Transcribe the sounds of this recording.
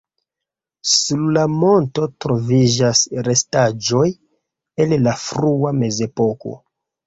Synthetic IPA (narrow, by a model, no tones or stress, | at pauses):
suɾlamo̞nto̞tɾo̞vid͡ʒasɾe̞stad͡ʒo̞j | e̞llafɾuame̞ze̞po̞ko̞̰